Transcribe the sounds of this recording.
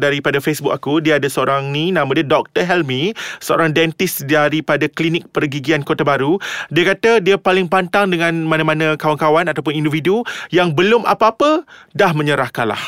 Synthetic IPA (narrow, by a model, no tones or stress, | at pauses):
daɾipadafesbʊk̚akudiaadasəoɾaŋnĩnãmadiadɔk̚t̪əɦɛlmisəo̰ɾaŋdɛnt̪ɪsdaɾipadaklinɪk̚pərɡiɡiankot̪abaɾudiakat̪adiapalɪŋpant̪aŋdəŋãnmãnãmãnãkawankawanat̪awp̬ʊnĩndividujaŋbəlʊmʔa̰paːpədahmə̃ɲəɾahkanla̰h